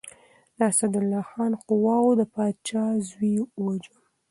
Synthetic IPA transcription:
lasad̪ʊlːɑxɑnqʊwɑwod̪əpɑd̪t͡ʃɑzwiod͡ʒu

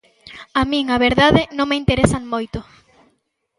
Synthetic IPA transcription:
amĩŋaβeɾðaðɪnõŋmeint̪eɾesaŋmojt̪ʊ

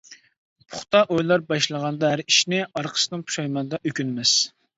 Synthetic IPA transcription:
pʰʊ̥χt̪ɑʔojlˠɑɾbɑʃlˠəʁɑnd̪ɑɦæɾiʃnɪɑɾqʰə̥sɨnɨŋpʰu̥ʃɑjmɑnd̪ɑʔøkʲynmɪz̥

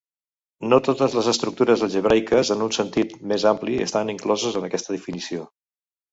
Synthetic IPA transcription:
not̪ot̪əzləzəst̪ɾuk̚t̪uɾəzəʒəβ̞ɾajkəzənunsənt̪it̪mezampliə̰st̪aniŋklɔzəzənəkɛst̪əðəfinisio

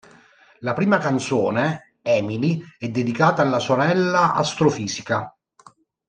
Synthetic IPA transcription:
lapɾiːmakant̪soːne | ɛːmiliɛd̪ːed̪ikaːt̪aːlːasoɾɛlːaa̰st̪ɾofiːsika

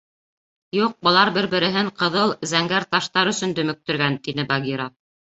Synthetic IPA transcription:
juq̚bɤ̆lˠɑɾbɘɾbɘ̆ɾɘ̆ɦɘɴqɤ̆ðɤlˠzæŋɡæɾt̪ɑʃt̪ɑɾɵ̆sɵ̆nd̪ɵ̆mɵ̆k̚t̪ɵ̆ɾɡænt̪inɘbɑɡʲiɾa

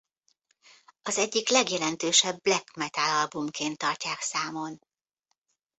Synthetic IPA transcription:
ɒzɛɟːiklɛɡjɛlɛnt̪øːʃɛbːlɛkmɛt̪alɒlbumkʰeːnt̪ːɒrcaːksaːmo̞n

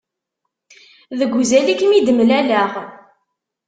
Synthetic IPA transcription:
ðəɡʷːuzælikːmid̪əmlælæʁ

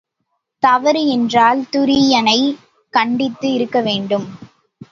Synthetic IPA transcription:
t̪ɐʋɐɾɯɛndraːlt̪ʊɾiɪjɐnɐɪ | kɐɳɖɪt̪ːɯɪɾɯkːɐʋeːɳɖɯm

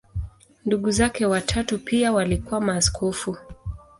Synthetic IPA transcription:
nduɠuzakɛwatʰatupiawalikuwamaːskʰɔfu

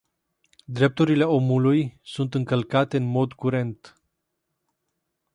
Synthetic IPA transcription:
d̪ɾe̞p̚t̪uɾile̞o̞mulujsunt̪ɨŋkəlkat̪e̞ɨnmo̞d̪kuɾe̞nt̪

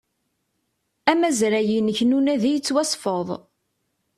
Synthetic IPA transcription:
æmæzɾæjinəçnunæðijət͡sːwæsˤfəðˤ

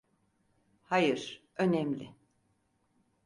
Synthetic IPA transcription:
hajɯɾ̥ | ø̞nɛmlʲɪ̰

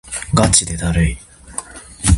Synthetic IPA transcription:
ɡat͡ɕid̪ed̪aɾei

